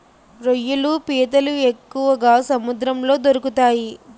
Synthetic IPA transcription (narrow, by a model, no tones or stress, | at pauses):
ɾojːulupiːt̪ɐluekːuʋɐɡaːsɐmud̪ɾɐmlo̞ːd̪oɾukut̪aːji